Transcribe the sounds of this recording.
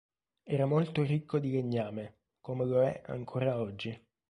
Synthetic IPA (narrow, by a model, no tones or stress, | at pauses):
ɛːɾamolt̪orikʰːod̪ileɲːaːme | komeloɛ̰ʔa̰ŋkʰoːɾaɔd͡ʒːi